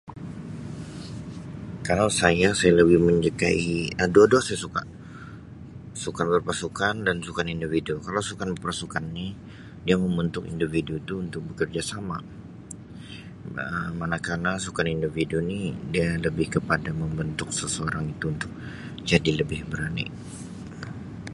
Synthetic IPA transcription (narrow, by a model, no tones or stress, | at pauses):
kalawsajasajaləbɪhməɲd͡ʒəkaiədoadosajasuka̰ | sukanbərpasukandansukanindividukalawsukanbərpasukanːi | diaməmbənt̪ʊkḭndividuit̪uːnt̪ʊk̚bəkərd͡ʒasama̰ | əmanakanasukanindividunidialəbɪhkəpadaməmbənt̪ʊk̚səsəoɾaŋit̪uːnt̪ʊk̚ | d͡ʒadiləbɪhbəɾanḭ